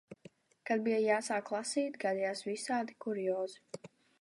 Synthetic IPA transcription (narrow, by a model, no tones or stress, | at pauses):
kad̪̚bijajaːsaːkːlˠasiːt̪ʲɡad̪ijaːsvisaːd̪ikuɾijɔːzi